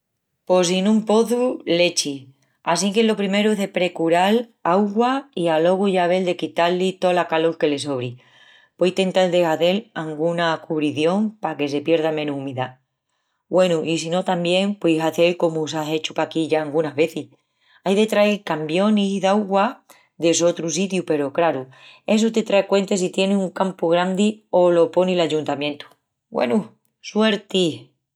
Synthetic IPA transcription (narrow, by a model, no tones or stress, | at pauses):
po̞sinũmpo̞θule̞t͡ʃi | as̬ikelo̞pɾime̞ɾueɦðe̞pɾe̞kuɾalawɣwaialo̞ɣuʝaβ̞e̞ld̪ekit̪alːit̪o̞lakaloɾke̞le̞so̞β̞ɾi | pwejt̪e̞nt̪ald̪e̞ɣaθe̞laŋɡunakuβɾiθjo̞ŋpake̞se̞pje̞ɾðamẽ̞nuhumiða | bwe̞nuʔisino̞t̪ambje̞ŋpwejɦaθe̞lko̞musase̞t͡ʃupakiʝaːlɡunaɦβe̞θih | ajðe̞t̪ɾaiɾkambjo̞niðawɣwa | ðe̞so̞t̪ɾus̬it̪jupe̞ɾo̞kɾaɾu | e̞s̬ut̪e̞t̪ɾaekwe̞nt̪es̬it̪je̞nesuŋkampuɣ̞ɾand̪io̞lo̞po̞nilaʝunt̪amjẽ̞nt̪u̥ | ɡwʔḛnu | swe̞ɾt̪i